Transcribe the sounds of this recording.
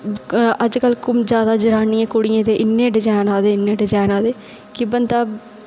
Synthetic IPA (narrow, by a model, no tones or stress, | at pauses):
əd͡ʒkəlːkʊmd͡ʒjaːd̪aːd͡ʒəɾaːnɪãːkʊɽɪjẽːt̪eːʔɪnːẽːɖɪd͡ʒaːnaːd̪eːɪnːẽːɖɪd͡ʒaːɪnaːd̪eː | kɪbənd̪aː